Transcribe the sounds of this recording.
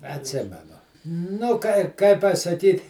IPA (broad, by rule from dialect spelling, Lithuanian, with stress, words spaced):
ɐtʲˈsʲɪmʲɛnʊ nʊ ˈkɐɪ ˈkɐɪ pɐsɐˈkʲiːt